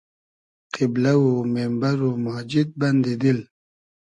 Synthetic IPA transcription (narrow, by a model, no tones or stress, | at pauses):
qɪblawomembaɾomad͡ʒid̪̚band̪id̪il